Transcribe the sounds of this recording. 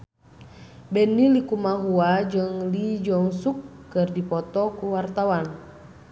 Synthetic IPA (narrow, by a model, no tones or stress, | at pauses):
bɛnːilikumaɦuad͡ʒɨŋlid͡ʒɔŋsukːɨrdipɔt̪ɔkuwart̪awan